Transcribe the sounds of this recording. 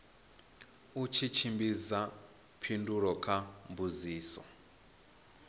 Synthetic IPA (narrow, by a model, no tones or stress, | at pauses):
ut͡ʃʰit͡ʃʰimbiza | pʰinduɺɔkʰambuziːsɔ̰